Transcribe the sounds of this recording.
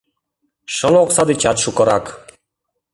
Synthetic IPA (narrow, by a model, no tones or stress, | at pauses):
ʃɔnɔksad̪it͡ʃat̪ʃukɔɾak